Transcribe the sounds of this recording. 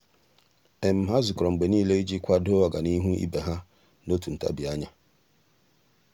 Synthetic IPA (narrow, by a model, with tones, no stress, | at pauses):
e˨m̩˨ɦa˦zʊ˨kɾɔ˨ŋ͡m̩˨ɡ͡be˨niː˦le˦i˦d͡ʒi˦kʷa˦do˦a˨ɡa˨ni˦ɦu˦ḭ˦be˨ɦa˦ | no˦tu˨n̩˨ta̰˦bi˨a˦ɲa˦